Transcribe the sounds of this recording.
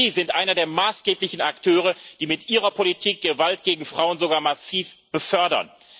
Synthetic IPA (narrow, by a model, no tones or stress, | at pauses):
iːzɪntʔaɪnɐdeːɐmaːsɡ̥eːplɪçn̩aktʰøːʁ̞əd̥iːmɪtʔiːʁɐpʰolitʰiːk̚ɡ̥əvaltɡ̥eːɡŋ̩fʁ̥aʊənzoɡaːɐmasiːfb̥əfœɐdɐ̰n